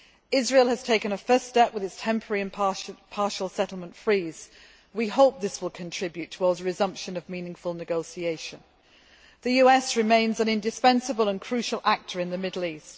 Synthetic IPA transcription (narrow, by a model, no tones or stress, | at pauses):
ɪzɹiːlˠəz̥tʰeɪkɨ̃nəfɜˑsttɛpwɨðɪtstʰɛ̃mpʰəɹiɨ̃nʰpʰɑˑɹʃəl̩ˠsɛtˡl̩ˠmə̃ntfɹiːz̥ | wihoʊp̚ðɪswɪlˠkʰə̃ntʰɹ̥ɪbjʉtʰəwɔɹdzɹɪzʌ̃mpʃə̃nəvmĩnɪ̃ŋfəlˠnɨɡoʊsieɪʃə̃n | ðɨjʉɛsɹɪmẽɪ̃nzə̃nɪ̃ndɨspɛ̃nsəbəlˠə̃nkʰɹ̥ʉˑʃəlˠʔak̚tʰə˞ɨ̃nðəmɪdˡl̩ˠiˑst̚